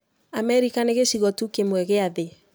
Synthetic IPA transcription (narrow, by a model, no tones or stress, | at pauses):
amɛɾikaneɣeʃiɣɔtukemwɛɣeaðe